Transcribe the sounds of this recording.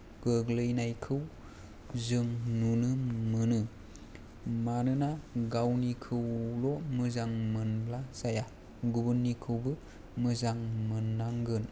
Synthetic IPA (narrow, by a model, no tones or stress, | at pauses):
ɡ̥ɯɡlɯjnajkʰɯw | zɯŋnunɯmɯnɯ | manɯnaɡawnikʰɯwlɔmɯzaŋmɯnblasaja | ɡubɯnːikʰɯwbɯ | mɯzaŋmɯnːaŋɡɯn